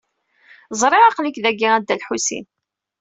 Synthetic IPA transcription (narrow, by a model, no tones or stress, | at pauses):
zˤɾˤeʁɑqənikðæɡːiæd̪ːælħusḭn